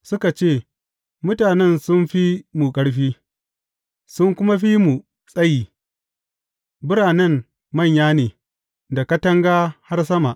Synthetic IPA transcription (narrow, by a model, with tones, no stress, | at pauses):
sʊ˦ka˨t͡ʃeː˦˨ | mʊ˦taː˨nɛ˦˨nsʊ˦nɸi˦mu˨kʼɐ˦ɽɸiː˦ | sʊ˦ŋkʷʊ˦ma˦ɸi˦mu˨ | sʼɐ˦ji˨ | bʊ˦ɾaː˨nɛ˦˨m | mɐ˦˨ɲjaː˦neː˨ | da˨kɐ˦tɐ˦ŋɡa˦ha˦rs̬ɐ˦ma˨ʔ